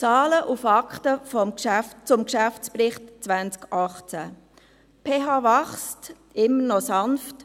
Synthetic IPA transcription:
t͡sɑːləʔufɑkχtəfɔmʃæft͡sʊmkʃæft͡spɾɪχtt͡sʋænt͡skʔɑχt͡sæ | pʰeːɦɑːvɑχst | ɪmːənɔsɑnft

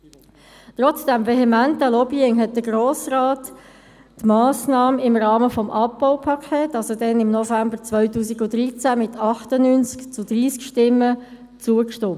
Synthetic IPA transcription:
tʁɔt͡sd̥æmveɦɛmæntəlɔbiɪŋɦɛt̚d̥əɡroːsʁaːtː | mɑːsnɑːməɪmʁɑːməfɔmʔɑpːaʊpʰɑkʰeːtɑsodɛnɪmnɔfæmbəʁt͡svœʏtuːsiɡʊd̥ɾit͡sæmɪtʰɑχtənynt͡skt͡sʊd̥ʁiːskʃtɪmːə | t͡suəkʃtʊ

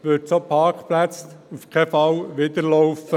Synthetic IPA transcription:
ʋɵtsopʰɑːɾkχplæt͡sufkʰɛfɑwʋɪd̪əɾlɔʊfə

